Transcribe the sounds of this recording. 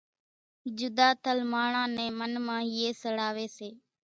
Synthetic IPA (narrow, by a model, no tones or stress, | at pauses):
d͡ʒʊd̪aːt̪əlmaːɳãːnɛ̃ːmənmãːɦɪːeːsəɽaːʋeːseː